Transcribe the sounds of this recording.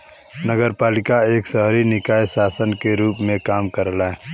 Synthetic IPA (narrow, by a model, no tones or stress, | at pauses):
nəɡəɾpaːlɪkaeːksəɦɾinɪkaːesaːsənkeɾuːpmẽkaːmkəɾlaɛ